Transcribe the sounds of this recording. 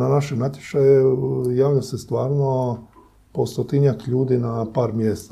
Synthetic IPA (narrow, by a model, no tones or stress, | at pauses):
nanaʃemnat̪ʲjet͡ʃajejaːʋʎasest̪ʋaːɾno | post̪ot̪iɲakʎuːd̪inapaːɾmjest̪